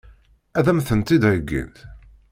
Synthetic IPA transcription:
æðæmθənt̪id̪əɡːḭnθ

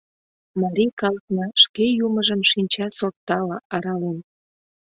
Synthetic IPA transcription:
mɑɾʲikɑlknɑʃkejuməʒəmʃinʲt͡ɕɑsort̪ɑlɑʔɑɾɑlen

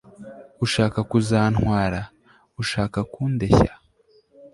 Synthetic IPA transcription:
uʃaːkakuzaːn̥hwaːɾa | uʃaːkakuːndeça

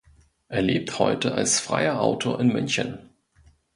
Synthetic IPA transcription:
ʔeːɐleːp̚thɔ̰ʏtəʔa̰lsfʁ̥a̰ɪɐʔaʊtʰoːɐɪnmʏnçə̰n

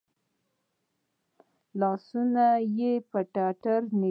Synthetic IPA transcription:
lɑsunajepəʈaʈaɾne

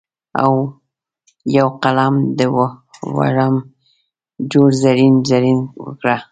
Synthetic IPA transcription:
a̰w | jawqalamd̪əwwa̰ɾam | d͡ʒoɽzaɾinzaɾinwə̰kɽa

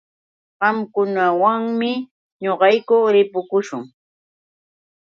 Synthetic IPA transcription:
ɢɑmkʊnawaŋmɪ | ɲoɢɑjkʊɾɪpʊkʊʃʊŋ

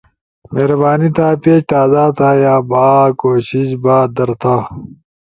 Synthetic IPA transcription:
meːɾɐbaːnit̪ʰaːpeːt͡ɕt̪aːzaːt̪ʰaːjaːbaːkoːɕiɕbaːd̪ɐɾt̪ʰaː

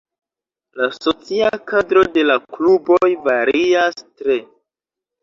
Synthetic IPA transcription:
laso̞t͡siakadɾo̞de̞laklubo̞jvaɾiastɾe̞

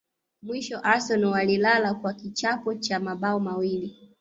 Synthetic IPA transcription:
mwiʃɔʔasɔnɔwalilalakwakit͡ʃapɔt͡ʃamaɓaɔmawili

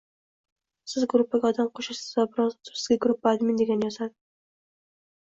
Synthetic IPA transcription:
sɪzɡɾʊpːaɡʲɛɒd̪amqʰoʃɪʃsɪzvabɪɾɒzʊt̪ʰʊ̥sɪzɡʲaɡɾʊpːaːd̪mɪnd̪eɡʲanjɒsad̪ɪ

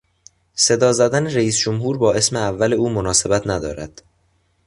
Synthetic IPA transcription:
se̞d̪ɒːzæd̪æneɾæiːsd͡ʒomɦuːɾbɒːe̞smeævːæle̞uːmonɒːse̞bæt̪ʰnæd̪ɒ̰ːɾæd̪̥

